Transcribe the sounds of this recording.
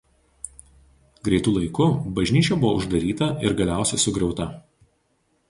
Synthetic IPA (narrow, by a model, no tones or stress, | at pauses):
ɡɾʲɛɪt̪ʊlˠɐɪkʊbɐʒʲnʲiːt͡ʃʲɛbʊʋoːʊʒd̪ɐɾʲiːt̪ɐɪɾɡɐlʲæˑʊsʲɛsʊɡɾʲɛʊt̪ɐ